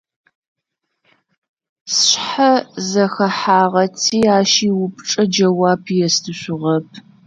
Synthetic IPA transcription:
sɕħazɐxɐħaːʁɐtʰiːaːʃiːwʊp̚ʰʼʈ͡ʂʼɐd͡ʒɐwaːpʰjɛstʰɨɕʷʊʁɐp̚ʰ

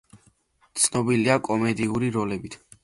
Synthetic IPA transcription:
t̪sʰnɔbiliakʼɔmɛd̪iuɾiɾɔlɛbit̪ʰ

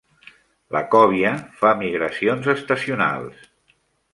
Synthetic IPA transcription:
ləkɔβ̞jəfamiɣɾəsionzəst̪əsiuna̰lˠs

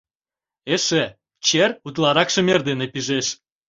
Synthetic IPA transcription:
eʃe | t͡ɕerut̪lɑɾɑkʃə̆merd̪enepiʒeʃ

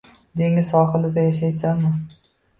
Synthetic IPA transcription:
d̪e̞ŋɪzɒɦɨlɪd̪ajaʃajsamɪ

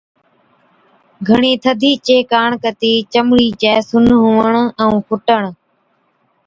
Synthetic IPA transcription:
ɡʱəɳiːt̪ʰəd̪ʱiːt͡ʃeːkaːɳkət̪iːt͡ʃəmɽiːt͡ʃɛːsʊnɦʊːʋəɳɛ̃ũːpʰʊʈəɳ̃

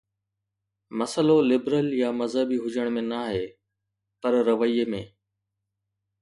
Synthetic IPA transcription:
mɐsəlolɪbɾəljaːmɐzəbiɦʊd͡ʑəɽ̃mẽnaɦeː | pɐɾɾəʋəiːemẽː

